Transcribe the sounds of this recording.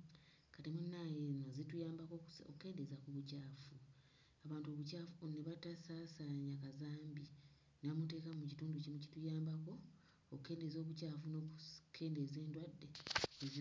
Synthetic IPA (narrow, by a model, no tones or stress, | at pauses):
katemunːaːjeːnozetujaːmbakookuke̞ːnde̞zakuβucaːfu | aβaːntuoβucaːfuneβatasasaɲakazaːmbi | neβamute̞ːkamucituːnducimucitujaːmbako̞ | okukːe̞ːndezo̞ːβucaːfuno̞kukʰːe̞ːnde̞ze̞ːndwadːe̞e